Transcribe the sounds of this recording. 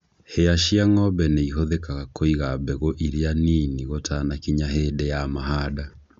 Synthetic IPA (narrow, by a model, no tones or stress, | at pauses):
heaʃiaŋɔbɛneiɦoðekaakʰoiɣabɛɣoʔiɾeaniːniɣotʰanakiɲaɦeːdejamaɦaːda